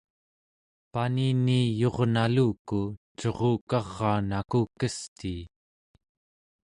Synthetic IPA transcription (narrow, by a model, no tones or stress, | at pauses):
paniniːjo̞ʁnaluːkut͡ʃo̞ʁoːkɑʁːɑːnakukəst̪iː